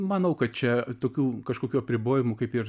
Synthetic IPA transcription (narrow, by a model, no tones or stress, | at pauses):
mɐnɐʊkɐt̪̚t͡ʃʲɛt̪oːkʲuːkɐʃkoːkʲuːɐpʲɾʲɪboːjɪmʊkɐɪpɪr